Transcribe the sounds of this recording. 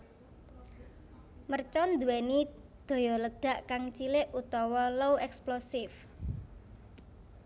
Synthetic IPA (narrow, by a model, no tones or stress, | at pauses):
mərt͡ʃɔnd̪ṳwɛni | d̪̥ɔ̤jɔləɖ̥ä̤ʔkaŋt͡ʃilɪʔut̪ɔwɔlowʔɛksplosɪf